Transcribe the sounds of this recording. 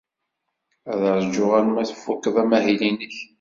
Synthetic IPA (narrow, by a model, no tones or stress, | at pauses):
æðəɾˤd͡ʒːʊʁænmæθə̥fːʊkːðˤæmæɦilinəç